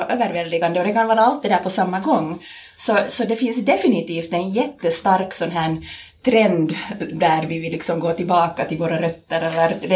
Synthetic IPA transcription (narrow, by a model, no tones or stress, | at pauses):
ʔøːvəɾvɛld̪ɪɡand̪əɔd̪ɛkanvɑːɾaalt̪̚d̪ɛd̪æːpʰɔsamːaɡɔŋːsɔsɔd̪ɛfɪnsd̪ɛfɪnɪt̪iːft̪ɛnjɛt̪ːəst̪aɾksɔnɦæːɳ | t̪ʰɾɛnd̪d̪æɾvɪvɪlːɪksɔmɡoːt̪ɪlbɑːkat̪ɪlvoːɾaɾœt̪ːəɾɛlːəɾd̪